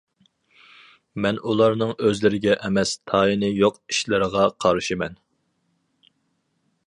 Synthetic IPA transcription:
mɛnulˠɑɾnɨŋøzlɪɾɪɡʲɛʔɛmɛst̪ʰɑːinɨjoqi̥ʃlɪɾəʁɑqʰɑɾʃɨmɛn

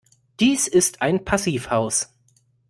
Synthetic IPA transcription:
d̥iːsɪstʰʔaɪnpʰasiːfhaʊs

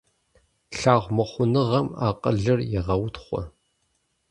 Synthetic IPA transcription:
ɬaːʁʷmɐχʷʊnɨʁɐma̰ːqʼə̰ɮɨrjɪʁɐwtχʷɔ̰

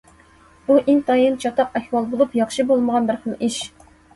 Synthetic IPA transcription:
buʔint̪ʰɑjint͡ʃʰɑt̪ʰɑqɛhwɑlˠbolˠupjɑχʃɨbolˠməʁɑnbɪɾχəlˠiʃ

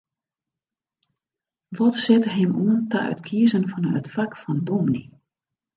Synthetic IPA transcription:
ʋɔtsɛtəɦɪmuəntəœ̰tkʰiəzənfɔnœ̰tfakfɔndomnḭ

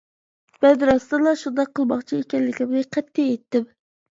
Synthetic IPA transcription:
b̥ɛd̪ɾɑst̪ɨlˠɑʃund̪ɑqʰːəlˠmɑχt͡ʃʰiekʲɛnlɪkʲimɨqʰɛt̪ːeet̪ːɪp

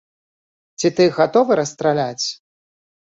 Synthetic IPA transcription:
t͡sʲit̪ɨɣat̪ɔvɨɾɐst̪ɾalʲat͡sʲ

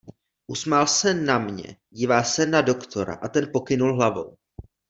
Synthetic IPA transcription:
ʔusmalsɛnamɲɛ̰ɟiːvaːsɛnado̞kt̪ʰo̞ɾa̰ʔat̪ɛnpo̞kɪnulɦlavo̰w

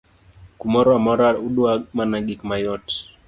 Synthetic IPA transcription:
kumɔɾɔamɔɾauɗuamanaɡikmajɔt

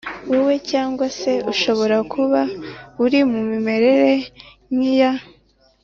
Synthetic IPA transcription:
wewe̞caːŋɡwase̞uʃo̞βo̞ɾakʰuβauɾimumime̞ɾe̞ɾe̞ | ɲija

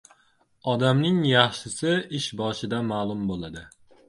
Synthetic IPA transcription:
ɒd̪amnɪŋjɑχʃɪsɪɪʃbɒʃɪd̪amaːlˠʊmbolˠad̪ɪ

